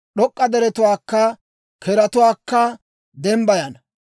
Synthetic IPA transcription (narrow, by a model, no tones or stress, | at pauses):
ɗɔkʼːɐd̪ɛɾɛt̪ʊwaːkːɐ | kʰɛɾɐt̪ʊwaːkːɐ | d̪ɛmbɐjɐnɐ